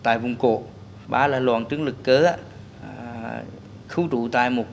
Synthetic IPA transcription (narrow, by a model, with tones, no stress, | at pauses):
t̪a̰ː˧˨jvu˨˧˩ŋ͡mko̰˧˩˨ | ɓaː˨˧˩laː˨˩lwaː˧˩ŋt͡ɕɨ˨˦əŋlɨ˨˩kːəː˨˦aː˧ | xɨ˧˦wt͡ɕ̪u˧˨t̪a̰ː˧˨jmo˨˩t̚